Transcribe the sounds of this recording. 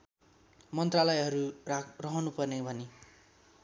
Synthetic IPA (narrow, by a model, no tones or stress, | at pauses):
mʌnt̪ralʌjɦʌɾurʌɦʌnupʌrnebʱʌne